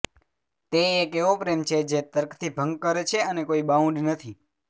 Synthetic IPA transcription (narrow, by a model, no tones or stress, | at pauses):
t̪eeːkeʋopɾemt͡ʃʰed͡ʒet̪əɾkʰt̪ʰibʱəŋɡ̚kəɾet͡ʃʰeənekoibaũɳɖnət̪ʰi